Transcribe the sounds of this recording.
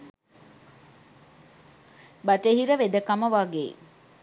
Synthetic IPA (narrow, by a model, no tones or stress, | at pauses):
baʈeɦiɾəʋed̪əkaməʋaːɡḛ